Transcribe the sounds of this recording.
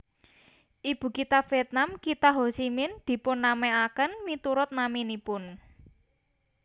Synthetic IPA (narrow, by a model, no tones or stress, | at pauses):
ʔib̥ṳkit̪afiɛt̪̚namkit̪aɦosimɪnd̪̥i̤pʊnːamɛakənmit̪uɾʊt̪̚naminipʊn